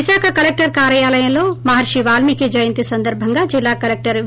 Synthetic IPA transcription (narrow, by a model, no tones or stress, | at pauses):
ɪsaːkʰɐkɐlek̚ʈɐɾkaːɾjɐjaːlɐjɐ̃loːmɐɦaːɾʃiʋaːlmiked͡ʒɐjɐ̃nt̪isɐnd̪ɐɾbʱɐŋɡad͡ʒilːaːkɐleːk̚ʈɐɾ